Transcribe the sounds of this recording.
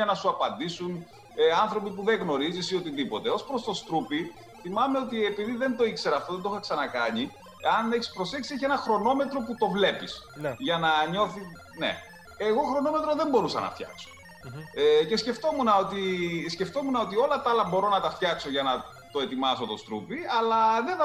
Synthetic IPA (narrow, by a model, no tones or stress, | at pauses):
ɐnɐsuɐpɐnd̪isun | ɐnθɾo̞pipuðeɣno̞ɾizisio̞t̪iðipo̞t̪eo̞spɾo̞st̪o̞st̪ɾupi | θimɐmeo̞t̪ie̞piðiðe̞nd̪o̞ikse̞ɾɐft̪oðend̪oxɐksɐnɐkɐɲi | eɐne̞çi̥spɾo̞seksieçienɐxɾo̞no̞me̞t̪ɾo̞put̪o̞vle̞pisʝɐnɐɲo̞θi | nḛ | eɣo̞xɾo̞no̞met̪ɾoðe̞mbo̞ɾusɐ̰nɐ̰ft̪çɐ̰kso̥ | cesce̞ft̪o̞munɐo̞t̪isce̞ft̪o̞munɐot̪̬io̞lɐt̪ɐlɐbo̞ɾo̞nɐt̪ɐft̪çɐkso̞ʝɐnɐ | t̪o̞e̞t̪imɐso̞t̪o̞st̪ɾṵpiɐlɐðenθ